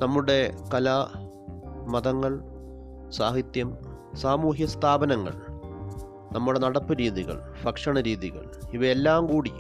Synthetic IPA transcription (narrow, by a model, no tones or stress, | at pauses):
nɐmːuɽe̞kɐlɐ | mɐðɐŋːɐɭ | saːɦit̪jɐm | saːmuːɦjɐst̪ʰaːbɐnɐŋːɐ̰ɭ | nɐmːuɽe̞nɐɽɐpːɨɾiːðiɣɐ̰ɭ | fɐkʂɐɳɐɾiːðiɣɐ̰ɭiʋɐelːaːmkuːɽi